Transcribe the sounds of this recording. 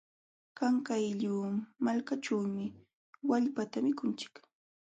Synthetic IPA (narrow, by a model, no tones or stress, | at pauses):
kaŋkajʎuːmalkaʈ͡ʂawmɪ | waʎpat̪amɪkʊnt͡ʃɪ̥k